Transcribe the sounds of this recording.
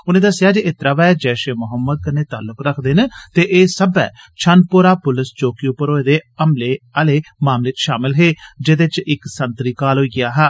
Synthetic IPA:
ʊnẽːd̪əsːɪjaːd͡ʒeːɪt̪ɾaːʋɛːd͡ʒɛːʃeːmʊɦəmːəd̪̚kəneːt̪aːlʊkɾəkʰd̪ɪnt̪eːʔeːsəbɛ̰ː | t͡ʃʰənpʊɾaːpʊlɪst͡ʃoːkiːʊpəɾoːeːd̪eːəmleːəleːmaːmleːt͡ʃʃaːmɪlɦeːd͡ʒed̪eːt͡ʃɪksənt̪ɾiːkaːlɦoːiːɡɪjaːɦɛː

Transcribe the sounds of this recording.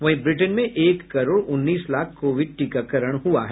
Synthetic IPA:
ʋɐɦĩbɾɪʈənmẽʔeːkːɐɾoːɽʊnːiːslaːkʰkoːʋɪɖ̚ʈiːkakɐɾəɽ̃ɦuaɦɛː

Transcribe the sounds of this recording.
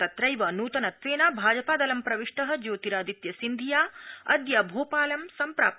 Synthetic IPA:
t̪ɐt̪ɾɐjʋɐnuːt̪ɐnɐt̪ʋeːnabʱaːd͡ʒɐpaːd̪ɐlɐmpɾɐʋiʂʈɐɦɐ̆d͡ʒoːt̪iɾaːd̪it̪jɐsind̪ʱijaːɐd̪jɐbʱoːpaːlɐmsɐmpɾa̰ːp̚

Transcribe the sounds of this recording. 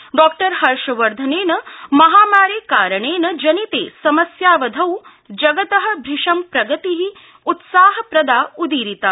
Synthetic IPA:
ɖɔːk̚ʈɐɾhɐɾʃɐʋɐɾd̪ʱɐneːnɐmɐɦaːmaːɾeːkaːɾɐɳ̃eːnɐd͡ʒɐnit̪ḛːsɐmɐsjaːʋɐd̪ʱɐw | d͡ʒɐɡɐt̪ɐɦɐ̆bʱɾiʂɐmpɾɐɡɐt̪iɦi | ut̪saːɦɐpɾɐd̪aːud̪iːɾit̪aː

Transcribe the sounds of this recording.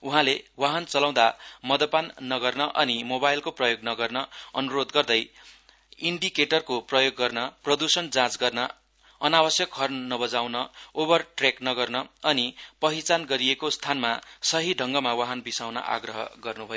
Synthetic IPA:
uɦãlewaɦʌnt͡sʌlãw̃d̪amʌd̪ʌpanːʌɡʌrnʌʔʌnimobajlkoprʌjoɡnʌɡʌrnʌʌnuɾod̪ɡʌrd̪ʌj | iɳɖikeʈʌrkoprʌjoɡːʌrnʌprʌd̪usʌnd͡zãt͡sɡʌrnʌ | ʌnabʌsjʌkɦʌrnʌbʌd͡zawnʌobʌrʈreknʌɡʌrnʌʌnipʌɦit͡sanɡʌɾiekost̪ʰanmasʌɦiɖʱʌŋɡʌmawaɦʌnbisawnʌ̰ʔa̰ɡrʌɦʌ̰ɡʌrnubʱʌjo

